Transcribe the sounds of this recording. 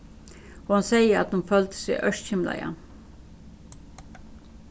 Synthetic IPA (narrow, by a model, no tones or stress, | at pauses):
ɔhansɛjəɾa̰t̪hʊnfœlt̪sɪʔœ̰ʂt̪çɪmla̰ɪa̰